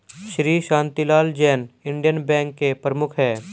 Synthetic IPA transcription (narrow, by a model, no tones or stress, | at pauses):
ʃɾiːʃãːnt̪ilaːld͡ʒɛːnɪ̃ɳɖijənbɛ̃ːŋkːepɾəmʊkʰɦɛː